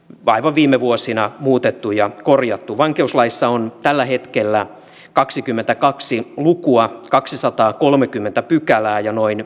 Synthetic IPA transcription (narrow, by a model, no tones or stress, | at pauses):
ɑiʋɑʋʋiːmeʋuosinɑmuːt̪et̪ːujɑkorjɑt̪ːuʋɑŋkeuslɑisːɑont̪ælːæɦet̪kelːæ | kɑksikymːent̪ækɑksilukuɑkɑksisɑt̪ɑːkolmekymːent̪æpykælæːjɑnoin